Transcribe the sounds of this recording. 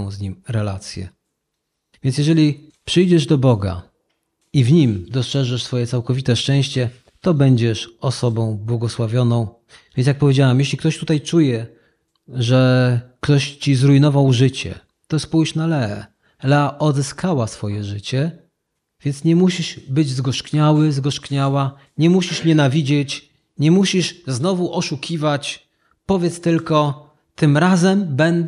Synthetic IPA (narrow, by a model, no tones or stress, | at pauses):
w̃zɲimɾɛlat̪sʲjɛ̰ | vʲjɛnsjɛʐɛlʲi | pʂɘjd͡ʑɛʐd̪ɔbɔɡa̰ | ivɲimd̪ɔstʂɛʐɛʂsfɔjɛt̪awkɔvʲit̪ɛʂt͡ʂɛ̃w̃ɕt͡ɕɛ | t̪ɔbɛɲd͡ʑɛʂɔsɔbɔ̃w̃bwɔɡɔswavʲjɔnɔ̃w̃v | vʲjɛnsjak̚pɔvʲed͡ʑawɛmjeɕ̬lʲikt̪ɔɕt̪ut̪ajt͡ʂujɛ | ʐɛkt̪ɔɕt͡ɕizɾuinɔvawʐɘt͡ɕɛ̰ | t̪ɔspujɕnalɛ | laʔɔd̪zɛskʰawasfɔjɛʐɘt͡ɕɛ | vʲjɛnt̪sɲɛmuɕiʂbɘd͡ʑzɡɔʂkɲawɘzɡɔʂkɲawa | ɲɛmuɕiʂɲɛnavʲid͡ʑɛt͡ɕ | ɲɛmuɕiʂznɔvuʔɔʂukʲʰivat͡ɕ | pɔvʲjɛt̪st̪ɘlkɔ | t̪ɘmɾazɛmbɛnd̪